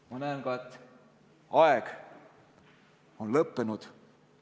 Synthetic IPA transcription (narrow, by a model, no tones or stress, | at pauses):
mɑnæːnɡ̥ɑet̪ː | ɑeɡ̥ | o̞nlɤpːenud̪̥